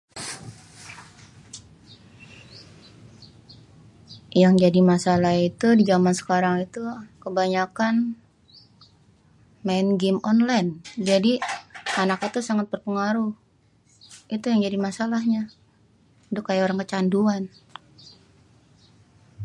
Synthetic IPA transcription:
jaŋd͡ʒadimasalahit̪udid͡ʒamansə̥kaɾaŋit̪ukəbaɲakan | maɪnɡɪmɔnlajnd͡ʒadianakit̪usaŋat̪̚bərpəŋaɾuh | it̪ujaŋd͡ʒadimasalahɲa | dʊkajaoɾaŋkət͡ʃanduan

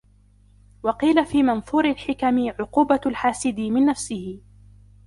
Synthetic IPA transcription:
wɑqiːlafiːmɑnθˤuːɾɪlħɪkamɪʕʊquːbalħaːsɪd̪ɪmɪnːafsɪhɪ

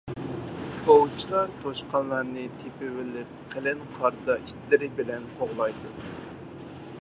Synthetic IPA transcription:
bowt͡ʃʰilˠɑɾt̪ʰoʃqɑnlˠɑɾnɨt̪ʰepɪwɪlɪp̚qʰelɪnqʰɑɾd̪ɑiʃt̪ʰlɪɾɪbɪlɛnqʰoʁlˠɑjd̪u

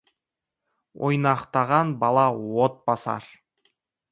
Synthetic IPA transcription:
o̰jnɑqt̪ɑʁɑnbɑlˠɑwot̪̚bɑsɑ̰ɾ

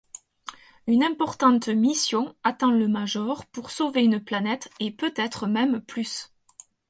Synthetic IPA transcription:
ynɛ̃pɔʁt̪ɑ̃t̪misjɔ̃at̪ɑ̃ləmaʒɔʁpuʁsoveynplanɛt̪epøt̪ɛt̪χəmɛmplys

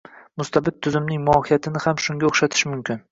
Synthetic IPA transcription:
mʊst̪ʰabɪt̪̚ʰːʊzɪmnɪŋmʊɒhijat̪ʰɪnɪhamʃʊŋɡʲaoχʃat̪ʰɪ̥ʃmʊmkʲʰɪn

